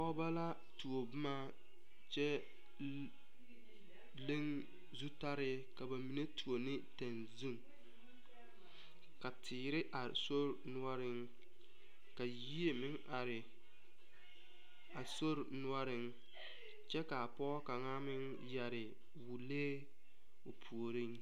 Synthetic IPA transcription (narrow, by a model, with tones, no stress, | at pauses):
pɔ˦ba˦la˦ | tu˨o˨bʊ˦ma˦ | t͡ʃɛ˦ | le˦ŋ | zu˦ta˦ɾɪ˦ | ka˨ba˨mi˨ne˦tu˨o˨nɪ˦ta˨nzu˦ŋ | ka˨tʰɪː˨ɾɪ˦ʔa˨so˦ɾnʊ˦ɔ˦ɾɪ˦ŋ | ka˨ji˦e˨mɪ˦ŋ | a˨ɾɪ˨ | a˨so˦ɾnʊ˦ɔ˦ɾɪ˦ŋ | t͡ʃɛ˦ka˨a˨pɔ˦ka˨ŋaː˦mɪ˦ŋ | jɛ˨ɾɪ˨ | wu˨leː˦ | o˨pʰu˨o˨ɾɪ˦ŋ